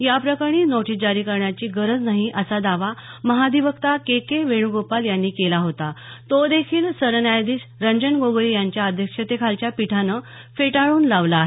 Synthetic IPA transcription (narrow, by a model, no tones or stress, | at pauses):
japɾəkaɽ̃iːnoʈʰid͡ʑaɾiːkəɾɳjat͡ɕiːɡəɾəd͡znaɦiʔəsad̪aʋaməɦad̪iʋəkt̪akekeʋeɳ̃uɡopaljanːiːkelaɦot̪at̪od̪ekʰiːlsəɾnjajd̪iːɕɾəɲd͡ʑənɡoɡɾijaɲt͡ɕjaəd̪ʱjəkʂət̪ekʰalt͡ɕjapiʈʰanə | feʈaɭuːnlaʋlaːɦe